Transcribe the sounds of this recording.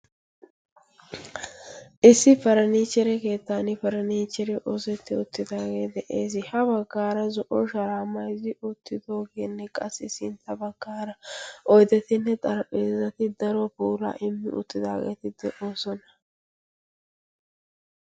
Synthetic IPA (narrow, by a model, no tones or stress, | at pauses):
ʔɪsːɪfɐɾɐniːt͡ʃːɛɾɛke̞ːt̪ːanɪfɐɾɐniːt͡ʃːɛɾɛʔosɛt̪ːɪʊt̪ːɪd̪aːɡe̞ːd̪ɛʔeːs̬ɪhɐbɐɡːaːɾɐzɔʔɔʃɐɾaːmːɐjzɪʊt̪ːɪd̪o̞ːɡeːnːɛkʼɐsːɪsɪnt̪ːɐbɐɡ̥ːaːɾɐʔɔjd̪ɛt̪ɪnːɛt̪ʼɐɾpʼeːzɐt̪ɪd̪ɐɾɔpuːɾa̰ːʔɪmːɪ̰ʊ̰t̪ːɪd̪aːɡḛːt̪ɪd̪̥ɛʔoːsɔnɐ̥